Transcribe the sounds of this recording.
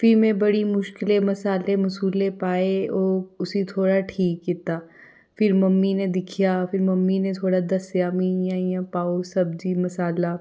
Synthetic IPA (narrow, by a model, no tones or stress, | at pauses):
fɪɾmẽbɐɽimʊʃkɪlemɐsaːlemɐsuːlepaːeoːʊsit̪ʰoːɽaʈʰiːkːɪt̪aː | fɪɾmɐmːined̪ɪkʰijaːfɪɾmɐmːinet̪ʰoːɽad̪ɐsjaːmĩjãːjãpaːosɐb̚d͡ʒimɐsaːla